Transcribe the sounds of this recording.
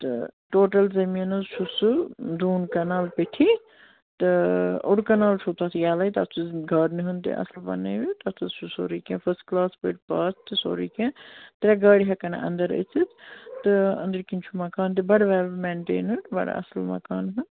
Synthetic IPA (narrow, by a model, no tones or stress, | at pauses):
t̪ɨ̰ʈoːʈɐlzɐmiɐnɐzʃusɨd̪uːnkɐnaːlpeʈʰi | t̪ɨo̰ɽkɐnaːlt͡ʃʰut̪ɐt̪ʰjaːlɐjt̪ɐt̪ʰt͡ʃɨzɡʱɐɾnɨɦɨnt̪ḭʔɐ̰slbɐ̰neʋit̪ɐt̪ʰɨzʃusoːɾiːkẽːpʰɐsʈklaːspəʈpaːst̪ɨso̰ːɾiːkẽːt̪ɐɾʲaɡaːɽiɦɐkɐn̰ʔɐ̰nd̪ɐɾə̰t͡sʰit̪t̪ɨɐ̰̃nd̪ɾkint͡ʃʰumɐkaːnt̪̬ibɐɽʋɛːmeːɳʈḛːnɐɳʈbɐ̰ɽɐ̰slmɐ̰kaːnɦɨn